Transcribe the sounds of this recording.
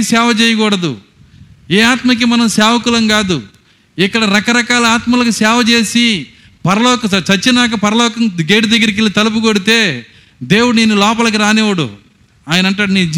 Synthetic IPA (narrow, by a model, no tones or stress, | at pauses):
sɛːʋɐt͡ʃɛːjɐkɔːɽɐd̪ṵ | ɛːaːt̪mɐk̬imɐnɐmsɛːʋɐkulɐŋɡaːd̪u | ikːɐɽɐɾɐkɐɾɐkaːlɐaːt̪mɐlɐkusɛːʋɐt͡ʃe̞ːsi | pɐɾɐlɔːkɐɐt͡ʃɐt͡ʃːinaːk̬ɐpɐɾɐlɔːkɐmɡeːʈid̪ɐɡːɐɾik̬ilit̪ɐlup̬uɡoɽit̪e̞ː | d̪e̞ːwuɽuneːnːulɔːpɐlɐk̬iɾaːnɛːʋɐɽṵ | aːjɐnɐɳʈaːɽnid͡ʒ